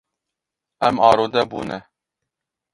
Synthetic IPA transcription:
ɛmɑːɾoːd̪ɛbṵːnɛ

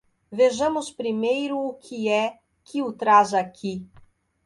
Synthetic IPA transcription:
vɛʒəmʊspɾimejɾʊːkʲʰiɛ | kʰʲiʊt̪ɾazɐkʲʰi

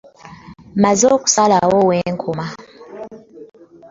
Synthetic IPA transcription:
mazokʼu̥salawɔwɛŋkʰɔma

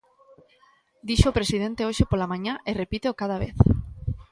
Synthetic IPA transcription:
d̪iʃoopɾesið̞ent̪eoʃepolamãɲãʔerepit̪eokaðaβḛθ

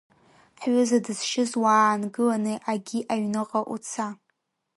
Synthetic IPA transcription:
ħɥʷʊzadɨz̥ʃɪzwaːnɡɨlanɨʔaɡʲiʔaɥnɨqʼaʔṵt͡sʰa

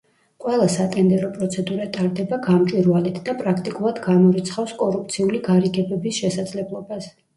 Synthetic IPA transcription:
qʼwɛlˠasat̪ʼɛnd̪ɛɾɔpʼɾɔt̪sʰɛd̪uɾat̪ʼaɾd̪ɛbaɡamt͡ʃʼwiɾwalit̪ʰd̪apʼɾakʰt̪ʼikʼulˠad̪ɡamɔɾit̪sʰχafskʼɔɾup̚ʰt̪sʰiuliɡaɾiɡɛbɛbisʃɛsad̪zlɛblˠɔbas

